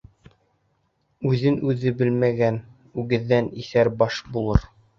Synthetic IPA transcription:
ʉðɘnʉðɘbɘlmæɡæn | ʉɡɘ̆ðːæniθæɾbɑʃbulˠɤɾ

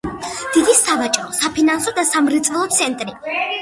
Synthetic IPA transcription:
d̪̥id̪isavat͡ʃʼɾɔsapʰinansɔd̪asamɾit̪sʼɛlˠɔt̪sʰɛnt̪ʼɾi

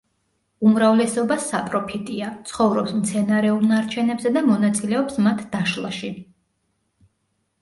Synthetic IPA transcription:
umɾavlɛsɔbasapʼɾɔpʰit̪ʼiat̪sʰχɔvɾɔpsmt̪sʰɛnaɾɛulˠnaɾt͡ʃʰɛnɛbzɛd̪amɔnat̪sʼilɛɔpsmat̪ʰd̪̥aʃlˠa̰ʃi

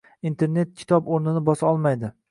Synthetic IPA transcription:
int̪ʰe̞ɾne̞t̪̚kʲʰɪ̥t̪ʰɒpoɾnɪnɪbɒsaɒlˠmajd̪ɪ

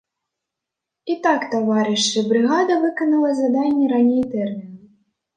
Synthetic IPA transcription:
it̪akt̪avaɾɨʂɨbɾɨɣad̪ɐvɨkɐnɐlˠɐzad̪anʲːɛɾanʲejt̪ɛrmʲin

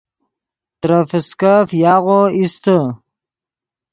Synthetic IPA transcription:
t̪ɾəfəskafjɑʁoist̪ə

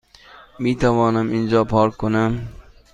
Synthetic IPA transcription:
mit̪ʰavɒːnɪmɪnd͡ʒɒpʰɒɾkʰːonam

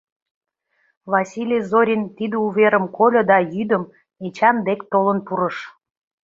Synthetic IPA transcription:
βɑsʲilʲijzoɾʲint̪id̪əuβeɾəmkolʲŏd̪ɑjyd̪ə̆m | et͡ɕɑnd̪ekt̪olənpuɾəʃ

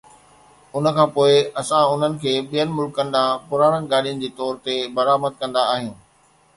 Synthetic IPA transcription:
ʊn̤ə̆kʰãːpoːɪɐsãʊn̤ənɪ̆kʰeːɓijənɪ̆mʊlkːɐnd̪apʊɾaːɽ̃ənɪ̆ɡaːɗijənɪ̆d͡ʑeːt̪ɔːɾt̪ebɐɾaːməd̪̚kɐ̃nd̪aːɦijũː

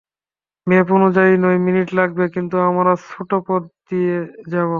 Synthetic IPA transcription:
mep̬onud͡ʑainojminiʈlaɡ̚bekint̪uamaɾasʰoʈopɔɾd̪ied͡ʑabo

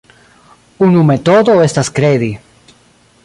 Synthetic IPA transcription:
unumet̪oðoest̪askɾeði

